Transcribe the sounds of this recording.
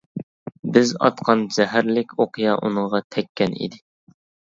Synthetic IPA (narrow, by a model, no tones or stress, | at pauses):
bɪzɑ̰t̪qʰɑnd͡ʒɛɦæɾlɪkʲoqɨjɑʔunɨɴʁɑt̪ʰɛkʲʰːɛnḭd̪ɪ